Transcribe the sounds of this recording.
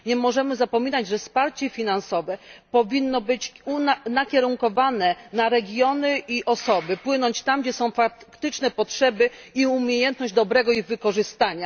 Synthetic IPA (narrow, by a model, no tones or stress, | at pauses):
ɲɛmɔʐɛmɘzapɔmʲinad͡ʑʐɛfspaɾt͡ɕɛfʲinansɔvɛpɔvʲinːɔbɘt͡ɕunanakʲɛɾuŋkɔvanɛnaɾɛɡʲjɔnɘʔiʔɔsɔbɘpwɘnɔɲt͡ɕt̪amɡd͡ʑɛsɔ̃w̃fakt̪ɘt͡ʂnɛpɔtʂɛbɘiumʲjejɛnt̪nɔʑd͡ʑd̪ɔbɾɛɡɔiɣvɘkɔʐɘst̪aɲa